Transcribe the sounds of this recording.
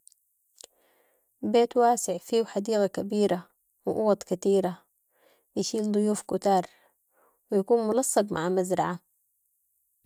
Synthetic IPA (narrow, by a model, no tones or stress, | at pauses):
beːt̪waːsɪʕfiːwħad̪iːɣakabiːɾa | wɪʔuwɑt̪ˤkat̪iːɾa | jɪʃiːld̪ˤʊjuːfkʊt̪ɑːɾˤ | wijakuːnmʊlɑsˤːɑbmʔaʕmazɾɑ̰ʕa